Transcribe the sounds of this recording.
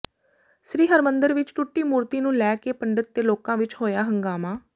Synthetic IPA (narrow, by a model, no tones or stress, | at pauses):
sɾiːɦəɾmənd̪əɾʋɪt͡ʃʈʊʈːiːmuːɾt̪iːnũːlɛːkeːpəɳɖət̪̚ːeːloːkãːʋɪt͡ʃɦoːjaːɦəŋɡaːmãː